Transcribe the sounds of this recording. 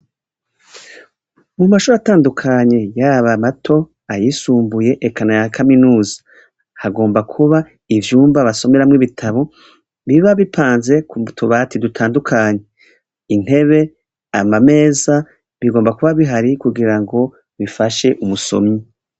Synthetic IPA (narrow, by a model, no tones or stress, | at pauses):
mumaʃuɾataːndukʰaɲe̞jaβamatʰo̞ | ajisuːmbuje̞ʔekʰanajakʰaminuːzḁ | haɡo̞ːmbakʰuβa | ivjuːmbaβaso̞me̞ɾamŋiβitʰaβo̞ | βiβaβipʰaːnze̞kutʰuβatʰidutʰaːndukʰaːɲe̞ | in̥he̞βe̞ | amame̞ːza | βiɡoːmbakuβaβiɦaɾikuɡiɾaŋɡo̞ | βifaʃe̞ʔumuso̞̰mɲi